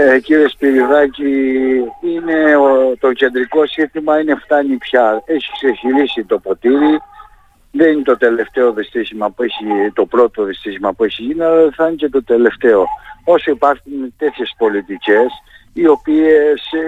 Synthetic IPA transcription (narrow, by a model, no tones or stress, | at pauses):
ciɾiespiɾiðɐci | ine̞ot̪o̞ce̞nd̪ɾiko̞sit̪imɐineft̪ɐnipçɐe̞çi̥kseçilisit̪o̞po̞t̪iɾi | ðe̞ninet̪ot̪e̞le̞ft̪e̞o̞ðist̪içimɐpue̞çit̪o̞pɾo̞t̪oðist̪içimɐpue̞çiʝinɐlɐθɐnice̞t̪o̞t̪e̞le̞ft̪e̞o̞o̞soipɐɾxunt̪e̞θçe̞spo̞lit̪ice̞s | io̞pie̞s